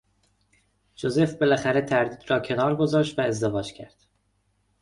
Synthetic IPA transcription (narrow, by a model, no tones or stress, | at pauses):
d͡ʒoze̞fbe̞læxæɾet̪ʰæɾd̪iːd̪ɾɒːcʰe̞nɒːɾɡo̞zɒːʃt̪væe̞zd̪e̞vɒːd͡ʒcʰæɾd̪̥